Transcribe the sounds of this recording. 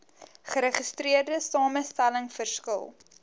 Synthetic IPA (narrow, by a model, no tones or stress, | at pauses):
χəɾəχəstriərdəsɑːməstæləŋfərskə̰lˠ